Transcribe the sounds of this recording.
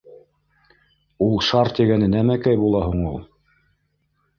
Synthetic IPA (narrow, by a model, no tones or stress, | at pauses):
ulˠʃɑɾt̪iɡænɘnæmækæjbulˠɑɦuɴulˠ